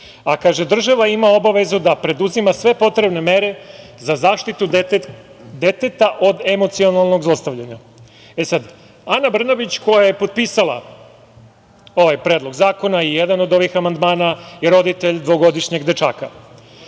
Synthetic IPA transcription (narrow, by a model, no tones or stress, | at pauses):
akaʒe̞d̪r̩ʒaʋaimao̞baʋe̞zud̪apɾe̞d̪uzimasʋe̞po̞t̪ɾe̞bne̞me̞ɾe̞zazaːʃt̪it̪u | d̪e̞t̪et̪aʔod̪e̞mo̞t̪sio̞nalˠno̞ɡzlˠost̪aʋʎaɲa | esad̪ | anabr̩nabit͡ɕko̞jaje̞po̞d̪̚pisala̰ | o̞ʋajpɾeːd̪lo̞ɡzaːko̞naijed̪ano̞d̪o̞ʋixamand̪maːnaiɾo̞d̪it̪eʎd̪ʋo̞ɡo̞d̪iʃɲeɡd̪e̞t͡ʃa̰ːka